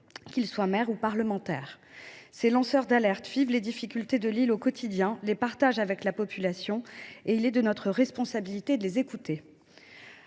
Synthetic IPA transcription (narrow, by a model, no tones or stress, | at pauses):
kʲilswamɛʁupaʁləmɑ̃t̪ɛ̰ːʁ | selɑ̃sœʁd̪alɛʁt̪fɥivled̪ifikʲylt̪ed̪əlilokɔt̪ʰid̪jɛ̃lepaʁt̪aʒavɛklapɔpylasjɔ̃eilɛd̪ənɔt̪χəʁɛspɔ̃sabilit̪ed̪əlezekut̪e